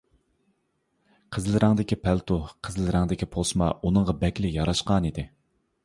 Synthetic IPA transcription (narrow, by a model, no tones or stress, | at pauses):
qʰəzlˠɨɾɨŋd̪ɪkʲipʰælt̪ʰuqʰəzlˠɨɾɨŋd̪ɪkʲipʰosmɑ̰unəŋʁɑbɛkʲlɪjɑɾɑʃqɑnid̪ɪ